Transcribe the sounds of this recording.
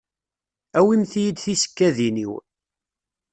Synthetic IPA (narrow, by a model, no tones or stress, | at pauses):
æwimθjid̪θisə̥kːæðinḭw